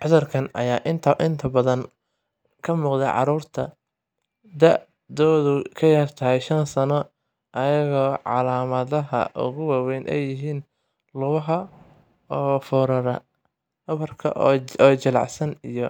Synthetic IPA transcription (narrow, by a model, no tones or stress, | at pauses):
ʕʊðɐrkʰɐnɐ̰jaːʔɪnt̪ʰɐʔɪnt̪ʰɐbɐðɐn | kʰɐmuːqd̪ɛʕɑ̰ɾuːrt̪ʰɐ | d̪ɐʔ | d̪ɔːðʊkʰɐjɐːrt̪ʰɐɦɛjʃɐnsɐnɔ | ʔɐjɐɣɔːʕɑlaːmɐðɐɦɐ̰ʔʊ̰ɣʊwɑːwɛjnʔɛ̰jɪɦiːn | lʊβɐɦɐ | ɔːfɔːɾɐɾɐ̰ | ɐβɐrkʰɐ̰ʔɔːt͡ʃɐlɑ̰ʕsɐnijɔ